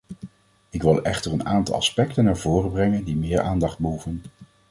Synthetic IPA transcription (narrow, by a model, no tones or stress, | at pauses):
ɪkʋɪlˠɛχtərənaːntɑ̰lˠɑ̰spɛktənːaːɹvoːrəbrɛŋəndimɪːɹʔaːndɑχd̚bəɦuvən